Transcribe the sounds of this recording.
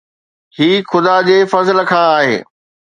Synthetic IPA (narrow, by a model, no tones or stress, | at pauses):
hiːxʊd̪ad͡ʑeːfɐzələkʰãːaːɦḛː